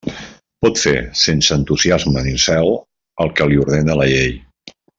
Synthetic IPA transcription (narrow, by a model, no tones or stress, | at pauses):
pɔt̪fḛsensəənt̪uziazmənilˠsɛw | əlˠkəliuɾð̞enələʎej